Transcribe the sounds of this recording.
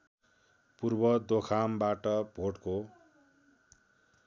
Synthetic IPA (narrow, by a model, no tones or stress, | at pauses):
purbʌd̪okʰambaʈʌbʱoʈko